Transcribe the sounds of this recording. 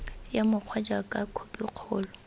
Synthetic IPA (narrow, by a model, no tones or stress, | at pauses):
jamʊq͡χʰwad͡ʒakʼakʰopʼiq͡χʰɔːlɔ